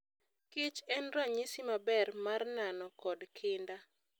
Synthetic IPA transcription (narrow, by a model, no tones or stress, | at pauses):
kɪt͡ʃɛnɾaɲisimabɛrmarnanɔkɔdkʰɪnda